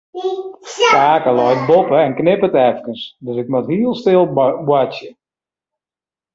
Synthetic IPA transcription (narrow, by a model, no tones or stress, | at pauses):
kaːkəlɔjt̚bopəɛnknɪpətɛfkənsdøsɪk̚matɦiəlˠstɪlˠbwat͡sjə